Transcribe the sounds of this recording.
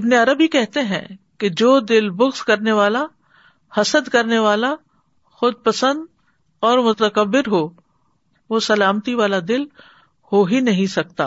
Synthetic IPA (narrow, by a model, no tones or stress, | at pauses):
ɪbneɐɾəbɦikɛɦt̪eɦɛ̰̃ked͡ʒoːd̪ɪlbʊɣskɐɾneʋaːla | hɐsəd̪kɐɾneʋaːla | xʊd̪̚pɐsə̃nd̪ | ɔːɾmʊt̪əkəbːɪɾɦo | ʋosɐlaːmt̪iʋaːlad̪ɪl | hoːɦinɐɦĩsɐk̚t̪a̰ː